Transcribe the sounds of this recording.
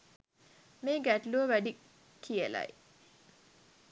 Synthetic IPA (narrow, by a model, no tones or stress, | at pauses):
meːɡæʈluʋəʋæɖi | kʰiəla̰j